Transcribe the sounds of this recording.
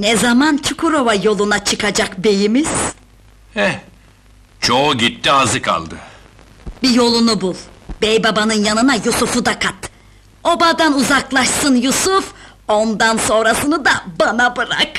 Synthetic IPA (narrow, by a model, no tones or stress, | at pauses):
nɛzamant͡ʃʰukʰuɾo̞vajo̞lˠunat͡ʃʰɯkʰad͡ʒakbe̞jimiz̥ | hɛ | t͡ʃʰo̞uɟit̪ːiazɯkʰa̰lˠd̪ɯ | bijo̞lˠunubulˠbɛjbabanɯnjanɯnajusufud̪akʰat̪ | o̞bad̪anuzaklˠaʃsɯnjusuf | o̞nd̪anso̞nɾasɯnɯd̪abanabɯɾa̰k